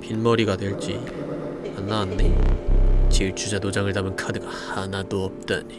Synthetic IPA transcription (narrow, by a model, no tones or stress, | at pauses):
pinmʌɾiɡadweɭt͡ɕ͈i | anːaande | t͡ɕiɭt͡ɕʰud͡ʑadod͡ʑaŋɯɭdamɯnkʰadɯɡahanadoʌp̚t͈ʌn